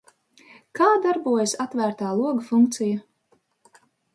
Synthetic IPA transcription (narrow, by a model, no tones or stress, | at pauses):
kaːd̪aɾbuɔjasat̪væːɾt̪aːlˠuɔɡafuŋk̚t̪sija